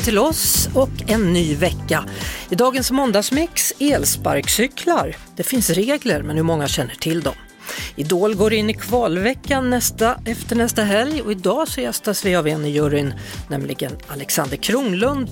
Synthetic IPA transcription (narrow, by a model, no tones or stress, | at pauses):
t̪ʰɪlɔsɔkɛnːyːvɛkːaɪd̪ɑːɡənsmɔnd̪asmɪkseːlspa̰ɾksʏkʰlaɾd̪̥ɛfɪnsɾeːɡləɾmɛnhɵmɔŋːaɕɛnːəʈʰɪld̪ɔm | ɪd̪oːlɡoːɾɪnːɪkʰvɑːlvɛkːanːɛst̪aɛft̪əɳɛst̪aɦɛljɔɪd̪ɑːsɔjɛst̪asvɪavɛnːɪjɵɾɪnːɛmlɪɡənalɛksand̪əɾkʰɾuːŋlɵnd̪